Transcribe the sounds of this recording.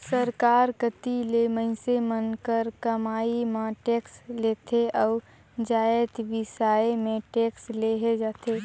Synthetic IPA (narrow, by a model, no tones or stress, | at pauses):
səɾkaːɾkət̪ileməɪsemənkəɾkəmaːimãʈeːksleːt̪ʰeʔɔː | d͡ʒaːet̪ʋɪsaːemẽʈeːksleɦed͡ʒaːt̪eː